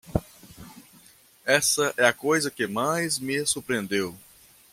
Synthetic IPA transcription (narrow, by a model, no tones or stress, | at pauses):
ɛsɐʔɛɐkojzɐkɪmajzmɪsuɾpɾiẽnd̪ew